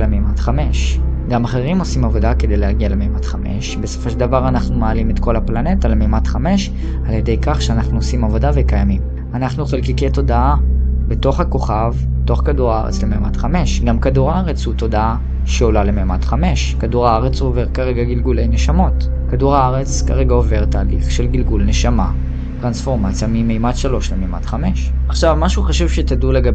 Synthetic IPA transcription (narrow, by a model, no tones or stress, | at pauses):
lememat̪χame̞ʃ | ɡamaχeʁimo̞simavo̞dake̞d̪ejleaɡiale̞mejmatχame̞̰ʃbe̞so̥fo̞ʃeld̪avaʁanaχnumaːlimetko̞laplane̞talemejmatχame̞ʃ | alje̞de̞jkaχʃeanaχnuosimavo̞davekajamim | anaχnuχelkikejto̞daabe̞to̞χhako̞χav | to̞χkaduʁaa̰ʁḛt͡slemema̰tχame̞ʃɡamkaduʁaaʁet͡shuto̞daa | ʃeolalemejmatχame̞ʃkaduʁaaʁet͡sove̞ʁkaʁe̞ɡaɡilɡule̞jneʃamo̞t | kaduʁaaʁet͡skaʁe̞ɡaove̞ʁtaːliχʃelɡilɡulneʃama | tʁansfo̞ʁmat͡sjamimejmatʃalo̞ʃlemejma̰t̪χame̞ʃ | aχʃavmaʃuχaʃuvʃetaduleɡa